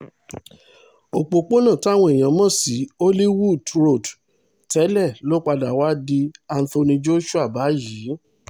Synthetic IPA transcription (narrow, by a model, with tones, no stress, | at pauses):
o˧˨k͡po˧k͡po˦nã˦˨ta˦˨w̃ɔ̃˧i˨j̃ã˨mɔ̃˦˨si˨˦o˦li˦wu˦˨dɾo˦˨d | tɛ˨˦lɛ˦˨lo˦k͡pa˧da˨wa˦di˧a˧n̩˦fo˧nĩ˧d͡ʒo˦ʃu˦a˦˨ba˨˦jiː˨˦